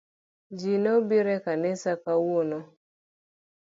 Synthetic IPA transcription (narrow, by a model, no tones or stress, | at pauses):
d͡ʒinobiɾɛkanɛsakawonɔ